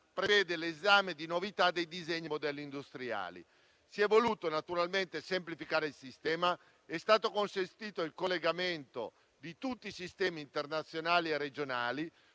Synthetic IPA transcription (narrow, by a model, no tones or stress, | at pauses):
pɾevɛːd̪elezaːmed̪inovit̪ad̪ːejd̪izeɲːimod̪ɛlːind̪ust̪ɾia̰ːlḭ | siɛvːoluːt̪onat̪uɾalmɛnt̪esemplifikaːɾeilsist̪ɛːma | ɛst̪aːt̪okonsent̪iːt̪oilkolːeɡamɛnt̪o̰ | d̪it̪ut̪ːisist̪ɛːmiːnt̪ernat̪sːjonaːliɛrːed͡ʒonaːli